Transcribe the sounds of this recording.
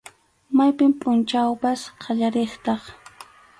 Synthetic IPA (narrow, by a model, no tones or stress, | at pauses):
majpɪmpʼʊnt͡ʃawpasqʰɑʎaɾeχt̪ɑχ